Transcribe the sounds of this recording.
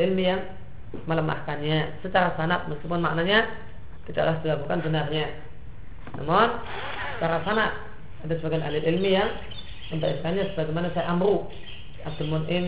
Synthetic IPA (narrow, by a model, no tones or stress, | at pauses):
ilmijaŋ | mələma̰hkanɲasət͡ʃaɾasanaʔməskip̬ʊnma̰ʔ̚naʔɲa | t̪ida̰ʔlahd͡ʒəlabukanbənarɲa | na̰mɔn | sə̥t͡ʃaɾasanaʔ | adasəbaɡana̰lɪlilmijaŋ | ləmbaʔiskanɲasəbaɡamanasajaʔamɾu | at̪əmʊnɪn